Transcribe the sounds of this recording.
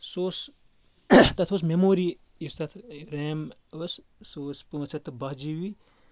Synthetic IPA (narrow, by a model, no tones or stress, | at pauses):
soːs | t̪ɐt̪ʰoːs̬memoːɾi | ist̪ɐt̪ʰɾeːm | os | soːspõːt͡sɐt̪bɐɦd͡ʒiʋi